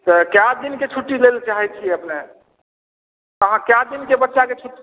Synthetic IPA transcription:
t̪əkjad̪inket͡ʃʰuʈːilelt͡ʃaɦɛt͡ʃʰiəpne | t̪əɦãkjad̪inkebətːʃaket͡ʃʰuʈ

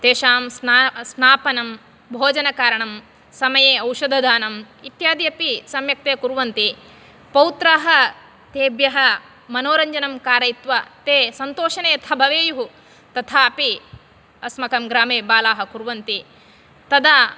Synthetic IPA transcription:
t̪eːʃaːmsnsnaːpɐnɐm | bʱoːd͡ʒɐnɐkaːɾɐɳɐm | sɐmɐjeːɐwʃɐd̪ʱɐd̪aːnɐm | it̪jaːd̪jɐpisɐmjɐk̚t̪eːkuɾʋɐnt̪i | pɐwt̪ɾaːɦɐ | t̪eːbjɐɦɐ | mɐnoːɾɐɲd͡ʒɐnɐmkaːɾɐjit̪ʋɐt̪eːsɐnt̪oːʃɐneːt̪ʰɐbʱɐʋeːjuɦu | t̪ɐt̪ʰaːɐpi | ɐsmɐkɐmɡɾaːmeːbaːlaːɦɐkuɾʋɐnt̪i | t̪ɐd̪aː

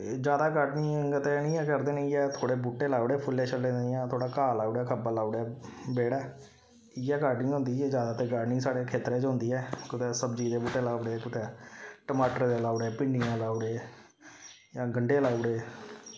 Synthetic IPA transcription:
d͡ʒjaːd̪aːɡaːʈniːəŋɡət̪enĩːɛːkəɾd̪eːnəĩːɛːt̪ʰoːɽeːbuːʈːeːlaːʊɽeːpʰʊlːeːt͡ʃʰəlːẽːnejãːt̪ʰoːɽaːkaːlaːuɽɛːkʰəbaːlaːuɽɛːbeːɽɛː | ɪjɛːkaːʈnĩːɦõːnd̪iːeːd͡ʒjaːd̪aːt̪eːɡaːʈniːsaːɽeːkʰeːt̪ɾeːt͡ʃɦõːnd̪iːɛːkʊt̪ɛːsəbd͡ʒiːd̪eːbuːʈːeːlaːɽeːkʊt̪eːʈəmaːʈəɾd̪eːlaːʊɽeːpɪɳɖɪjãːlaːuɽeː | jãːɡəɳɖeːlaːuɽeː

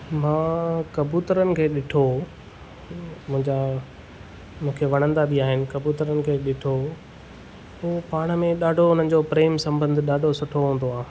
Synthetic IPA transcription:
mãːkɐbuːt̪əɾənɪ̆kʰeːɗɪʈʰo | mʊ̃ɦɪ̃ɲd͡ʑa | mũːkʰeʋɐɽ̃ə̃nd̪abiaːɦɪnɪ̆kɐbuːt̪əɾənɪ̆kʰeːɗɪʈʰo | uːpaːɽ̃ə̆mẽɗaːɖʱoʊn̤ən̆d͡ʑopɾeːmsɐ̃mbə̃nd̪ʱɪɗaːɖʱosʊʈʰoɦũːn̆d̪oaː

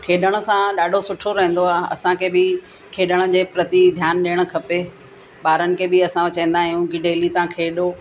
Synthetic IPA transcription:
kʰeːɗəɽ̃ə̆sãɗaːɖʱosʊʈʰoɾɐɦə̃ːn̆d̪oaːɐ̰sãkʰeːbɪ | kʰeːɗəɽ̃ə̆d͡ʑeːpɾɐt̪id̪ʱjaːnɗeːɽ̃̆kʰɐpe | ɓaːɾənɪ̆kʰeːbɪɐsãʋɐt͡ɕẽːnd̪aːɦɪijũɡɪɖeːlit̪ãkʰeːɗo

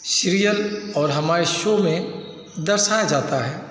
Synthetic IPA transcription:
sʃɾijəlɔːɾɦɐmaːɾeʃomẽ | d̪əɾʃajad͡ʒaːt̪aɦɛː

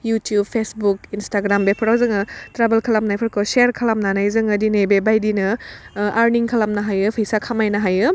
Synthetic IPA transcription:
jutjub̚pʰesbuk̚instaɡɾambepʰɐɾawzɯŋɯtɾabelkʰɐlamnajpʰɐɾkʰɔseɾkʰɐlamnanajzɯŋɐdinebebajdinɯaɾniŋkʰalamnaɦajɯpʰɯjsakʰamajnɐɦajɯ

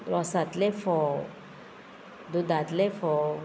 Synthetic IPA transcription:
ɾɔsat̪lefɔ | d̪ud̪at̪lefɔ

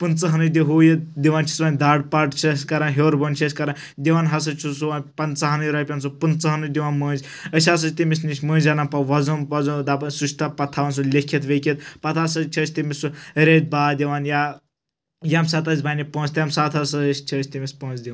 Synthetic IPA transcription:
punt͡sɐɦɐnɨd̪iɦuːjɐd̪iʋaːnt͡ʃʰi̥sʋaːnʲd̪aːɖpɐʈt͡ʃʰɐskɐɾanɦʲoːɾbɐːnt͡ʃʰɐsʲkɐɾan | d̪iʋaːnɦɐs̬ɐt͡ʃʰisuʋaːnʲpɐnt͡sɐɦɐnɨjɾɐpʲɐns̬upunt͡sɐɦɐnɨd̪iʋaːnməːnd͡ʒʲ | əsʲas̬ɐt͡ʃt̪imisniʃʲmə̃ːnd͡ʒɐnɐnpɐʋɐzoːnʋɐzoːd̪aːpɐnsut͡ʃʰt̪ɐpɐt̪ʰaːʋɐːns̬ulʲekʰit̪ʋekʰit̪̚pɐt̪ʰasɐt͡ʃʰɐt͡ʃʰʲt̪imisuɾeːt̪̚baːd̪ʲiʋaːnja | jamsaːt̪azʲbaːnipõːt͡sʲt̪ijɐmsaːt̪ʰɐsɐt͡ʃʰɐːt͡ʃʲt̪imispõːnt͡sd̪ʲiʋaːn

